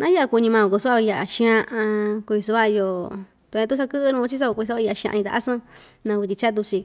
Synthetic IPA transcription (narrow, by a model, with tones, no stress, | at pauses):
nã˦ja˦ʔa˧ku˧ɲĩ˧mã˧õ˨ko˧su˦a˦˧ja˧ʔa˨ʃĩ˧ã˧ʔã˧ku˧ĩ˧s̬u˧βa˦˧jo˧ | t̪u˧ã˧u˦s̬a˦kɨ˦ʔɨ˦˧nũ˧˦t͡ʃi˦s̬a˦o˧kĩ˧a˦a˦˧a˧˨˧ʃã̰˧ĩ˧t̪a̰˨a˦sã˦ | nã˧ku˧t̪̬ʲi˧t͡ʃa˦t̪u˧si˧